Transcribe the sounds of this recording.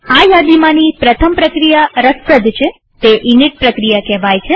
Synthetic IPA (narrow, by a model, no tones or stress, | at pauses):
ajad̪imãnipɾət̪ʰəmpɾəkɾijaɾəspəd̪ʱt͡ʃʰe | t̪eʔiniʈ̚pɾəkɾijakɛʋajt͡ʃʰe